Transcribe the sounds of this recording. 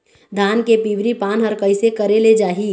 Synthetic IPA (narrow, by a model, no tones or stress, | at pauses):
d̪ʱaːnkepiːʋɾipaːnɦɐɾkəɪsekɐɾeled͡ʒaːɦiː